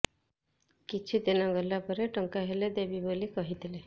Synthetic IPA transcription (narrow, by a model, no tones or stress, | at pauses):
kit͡ʃʰid̪inɔɡɔlːapɔɾeʈɔŋkaɦeled̪ebibolikɔɦit̪ʰile